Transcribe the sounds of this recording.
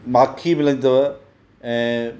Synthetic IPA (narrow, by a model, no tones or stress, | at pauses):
maːkʰimɪlɐ̃nt̪ɐʋɐ | ɛ̃ː